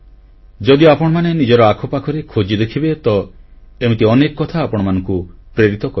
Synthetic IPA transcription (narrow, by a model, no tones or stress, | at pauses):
d͡ʒɔd̪iapɔɽ̃ɔmanenid͡ʒɔɾɔakʰɔpakʰɔɾekʰod͡ʒid̪ekʰibet̪ɔemit̪iɔnekɔkːɔt̪ʰaːpɔɽ̃ɔmanɔ̃ŋkupɾeɾit̪ɔkɔ